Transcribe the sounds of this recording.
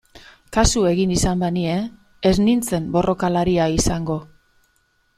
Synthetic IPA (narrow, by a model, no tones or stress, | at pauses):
kasue̞ɣinisambanie̞ː | znint͡se̞mbo̞rʔo̞kalaɾiaisaŋɡo̞